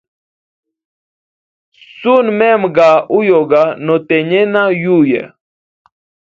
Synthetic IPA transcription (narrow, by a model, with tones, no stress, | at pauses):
su˦nmɛ˦mɡa˨ʔu˦jo˨ɡa˨nɔ˨t̪ɛ˨ɲɛ˦na˦ju˦˨jɛ̰˨